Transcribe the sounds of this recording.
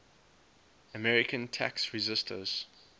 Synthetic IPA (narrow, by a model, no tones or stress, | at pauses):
əmɛɹɪkə̃ntʰæ̰ksɹizɪstʰə̰z̥